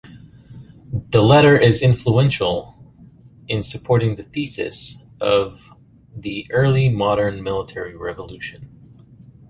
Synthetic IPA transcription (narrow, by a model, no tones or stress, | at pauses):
ðəlɛɾə˞ʔɪzɪ̃ɱfluɛ̃nʃl̩ˠ | ɨ̃nsɨpʰɔɹɾɪ̃ŋðɨθisɨ̰s | ʔʌv | ðiʔɜ˞lˠimɑɾə̃˞nmɪlˠətʰɛɹiɹɛvəlʉʃɨ̃n